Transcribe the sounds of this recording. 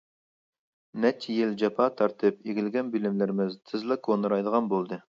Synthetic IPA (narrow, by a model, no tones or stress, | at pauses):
nɛt͡ʃʰijɪld͡ʒɑpʰɑt̪ʰɑɾt̪ʰɨpeɡʲɪlɡʲɛnbilɪmlɪɾɪmɪzt̪ʰɨzlˠɨkʰonɨɾɑjd̪əʁɑnbolˠd̪ɨ